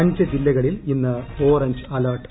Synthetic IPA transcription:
ɐɲd͡ʑɐd͡ʑilːɐɣɐɭilinːɐoːrɐɲd͡ʑɨɐlɐrʈ

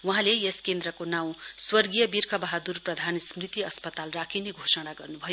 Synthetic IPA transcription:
wuɦãleeskend̪ɾʌkonaw̃swʌrɡijʌbirkʰʌbaɦad̪urprʌd̪ʱansmrit̪iʌspʌt̪alrakʰineɡʱosʌɽ̃aɡʌrnubʱʌjo

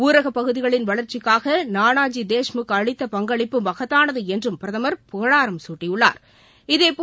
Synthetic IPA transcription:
uːɾɐɣɐpːɐɣɯðɪɣɐɭɪnʋɐɭɐɾt͡ʃɪkːaːɣɐnaːnaːd͡ʒid̪eːʂmɯkːɐɻɪt̪ːɐpɐŋɡɐɭɪpːɯmɐɣɐt̪ːaːnɐðɯɛndrɯmpɪɾɐðɐmɐɾpʊɣɐɭaːɾɐmsuːʈːijɯɭːa̰ːɾ | ɪðeːpː

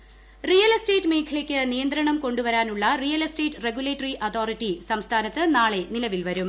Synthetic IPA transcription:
rijɐlste̞ːtːɨmeːkʰɐɭekʲːɨnijɐnd̪ɾɐɳɐmko̞ɳɖuʋɐɾaːnuɭːɐrijɐlesteːʈːreɡjuleːʈːɐriʔɐt̪ʰo̞ːritːisɐmst̪ʰaːnɐt̪ːɨnaːɭe̞nilɐʋilʋɐɾum

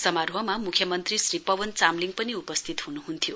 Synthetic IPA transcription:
sʌmarɦʌmamukʰjʌmʌnt̪risripʌwʌnt͡samliŋɡpʌniupʌst̪ʰit̪ɦunuɦunt̪ʰijo

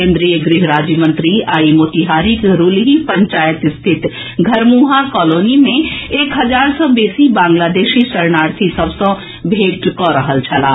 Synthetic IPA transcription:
kẽːnd̪ɾijəɡɾɪɦɾaːd͡ʒjəmə̃nt̪ɾiaːimoːt̪iɦaːɾikɾuːlɦipə̃ɲt͡ʃaːjət̪st̪ʰɪt̪ | ɡʱɐɾmuɦakɔːloːnimẽeːkɦɐzaːɾsɔbeːsibãːŋɡlaːd̪eːʃisəɾnaːɾt̪ʰisɐbsɔ̃ | bʱeːʈkɔɾəɦəlt͡ʃʰɐlaː

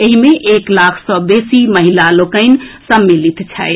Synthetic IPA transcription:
eɦimeʔeklakʰsɔ̃besiməɦilalokəɪn̆səmːilit̪t͡ʃʰae

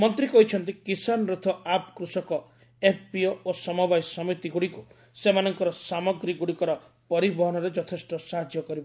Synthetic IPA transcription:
mɔnt̪ɾikɔɦit͡ʃʰɔnt̪ikisanɔɾut̪ʰɔapkɾusɔkɔ | epʰpioosɔmubajsɔmit̪iɡuɽiku | semanɔŋkɔɾɔsamɔɡɾiɡuɽikɔɾɔ | pɔɾibɔɦɔnɔɾed͡ʒɔt̪ʰesʈɔsaɦad͡ʒjɔkɔɾibɔ

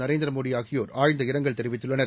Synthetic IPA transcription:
nɐɾeːnd̪ɪɾɐmoːɽɪjaːɣɪjoːɾaːɻnd̪ɐɪɾɐŋɡɐɭt̪ɛɾɪʋɪt̪ːɯɭːɐnɐɾ

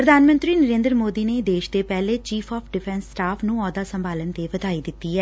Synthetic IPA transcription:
pɾəd̪ʱaːnmə̃nt̪ɾiːnəɾẽːnd̪əɾmoːd̪iːneːd̪eːʃd̪eːpɛːleːt͡ʃiːpʰɔːpʰɖɪpʰɛ̃ːnsːʈaːpʰnũːɔːd̪aːsəmbaːlənt̪eːʋəd̪aːiːd̪ɪt̪ːiːɦɛː

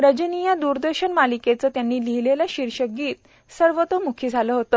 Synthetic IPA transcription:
ɾəd͡ʑənijad̪uɾd̪əɾɕənmaliket͡səːt̪janːiːliɦilelaɕiɾɕəɡiːt̪ | səɾʋət̪əmukʰiːd͡zʱaləɦot̪ə

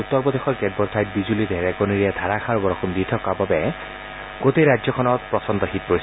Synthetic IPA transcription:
ut̪ːɔɹbɔd̪exʰɔɹkedbɔɾsʰajt̚bizulid̪ʱeɾɛkɔniɾied̪ʱaɾakʰaɹbɔɾɔkumd̪it̪ʰɔkababɛ | ɡ̥ot̪eɾad͡ʒɔkʰɔnɔt̪pɹɔsɔnt̪ɔɦit̪̚pois

